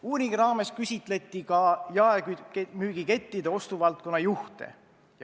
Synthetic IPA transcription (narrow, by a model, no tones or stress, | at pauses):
uːɾiŋɡiɾɑːme̞skysʲit̪ˑle̞t̪ːˑikɑjɑekymyːɡ̥ike̞t̪ːid̪e̞o̞st̪uvɑlt̪̚ko̞nːɑjuht̪e̞̰